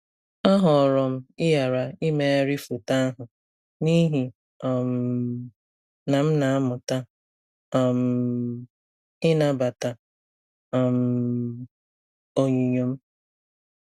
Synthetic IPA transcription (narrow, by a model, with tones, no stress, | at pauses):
ɔ˦ɦɔ˨ɾɔ˨m̩˦ɪ˦ja˨ɾa˨ɪ˦me˦e˦ɾi˦fu˨ta˦a˦ɦʊ˨ | ni˦ɦi˨ | m˨ | na˨m̩˦na˨a˦mʊ˨ta˦˨ | m̩˨ | ɪ˦na˨ba˨ta˨ | m̩˨ | o˨ɲu˨ɲo˨m̩˦